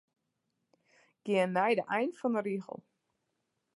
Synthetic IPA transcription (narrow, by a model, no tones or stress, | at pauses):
ɡ̥ɪənːɛjdəʔɛjnfɔnəɾiɣə̰lˠ